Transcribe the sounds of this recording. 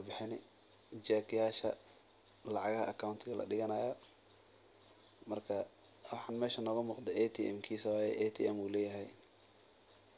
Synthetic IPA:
ɐbɪħɪnɪ | t͡ʃɛːkɪjaːʃɐ | lɑʕɑɣɐhɐ̰ʔɐkʰawnt̪ʰɪɣɐlʔɐ̰ɖɪɣɐnaːjɔ | mɐrkʰɐ | wɑħɑːnmɛːʃɐnɔːɣʊmuːqd̪ɛʔɛt̪ʰiːʔɛmkʰiːsɐwaːjɛ̰ʔɛt̪ʰḭʔɛmuːlɛːjɐɦɛj

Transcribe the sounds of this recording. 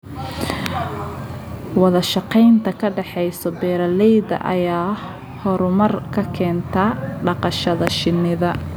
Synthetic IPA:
wɑðɐʃɑqɛjnt̪ʰɐkʰɐɖɛħɛjsɔbɛːɾɐlɛjðɐ̰ʔɐ̰jaː | hɔɾʊmɐrkʰɐkʰɛːnt̪ʰɐɖɑqɑʃɐðɐʃɪnːɪðɐ

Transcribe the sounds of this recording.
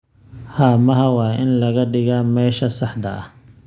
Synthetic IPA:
haːmɐɦɐwɑːɪnlɐɣɐɖɪɣaːmɛːʃɐsɑħd̪ɐ̰ɐ̰

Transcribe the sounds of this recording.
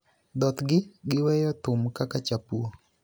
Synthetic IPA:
d̪ɔt̪ɡɪɡɪwɛjɔt̪ʊmkakat͡ʃapuo

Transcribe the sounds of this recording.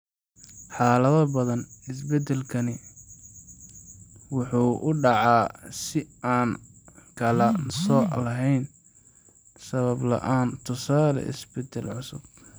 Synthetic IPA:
ħɑːlɐðɐbɐðɐnɪsbɛd̪ɛlkʰɐnɪ | wʊħuːʔʊɖɑʕɑːsɪaːnkʰɐlɐsɔːlɐɦɛjn | sɐβɐblɐ̰ʔaːnt̪ʰʊsaːlɐ̰ʔɪ̰sbɛd̪ɛlʕʊsʊ̰b̚

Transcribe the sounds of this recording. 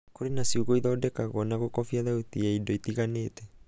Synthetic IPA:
koɾenasiuɣoiðɔːdɛkaɣɔnaɣokɔfiaðautiaidɔitiɣaneːtɛ

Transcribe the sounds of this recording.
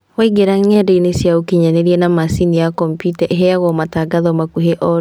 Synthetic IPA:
waiɡeɾaŋɛdeinesjaokiɲaneɾiɛnamasinijakɔmpjutɛʔeɦeaɣɔmataɡaðɔmakuɦeʔɔ

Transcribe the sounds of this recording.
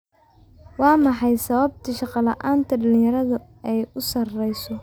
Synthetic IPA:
wɑːmɑħɑjsɐβɐb̚t̪ʰɐʃɑqɑlɐʔaːnt̪ʰɐɖɐlɪ̃jɐɾɐðʊ | ɛjʊsɐrɛjsɔ

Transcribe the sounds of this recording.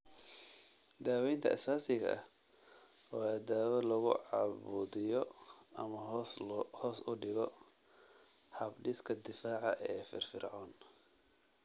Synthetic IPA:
d̪aːwɛjnt̪ʰɐʔɐ̰saːsɪɣɐ̰ʔɐh | wɑːd̪aːwɐlɐɣʊ̰ʕɑβuːðɪjɔɐmɐ | hɔːsʊɖɪɣɔ | hɐbɖɪskʰɐd̪ɪfaːʕɑ̰ʔɛːfɪ̰rfɪ̰rʕɔːn

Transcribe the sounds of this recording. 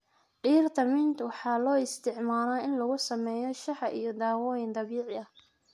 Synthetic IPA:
ɖiːrt̪ʰɐmɪnt̪ʰwɑħɑːlɔːɪst̪ʰɪʕmaːɾaːɪnlɐɣʊsɐmɛːjɔʃɑħɑʔijɔd̪ɑːwɔːjɪnd̪ˤɑβiːʕɪɐ

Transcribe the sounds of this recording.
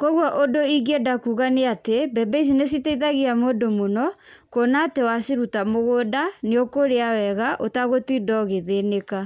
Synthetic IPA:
koɣwɔʔodoiɡedakuɣaneatebɛbɛis̬ines̬iteiðaɣeamoːdomonɔkonaːtewasiɾutamoɣodaneokoɾeawɛɣaʔotaɣotidɔɣeðeneka

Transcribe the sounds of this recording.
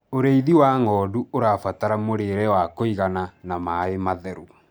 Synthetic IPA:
oɾeiðiwaŋɔːduoɾafataɾamoɾeɾɛwakoiɣananamaemaðɛɾu

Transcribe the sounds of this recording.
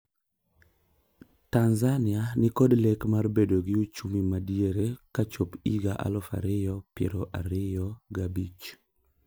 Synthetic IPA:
tanzanɪanɪkɔdlɛkmarbedoɡɪut͡ʃumimadieɾekat͡ʃopiɡaʔa̰lɔfa̰ɾɪjɔpjɛ̰ɾɔʔa̰ɾɪjɔɡabit͡ʃ

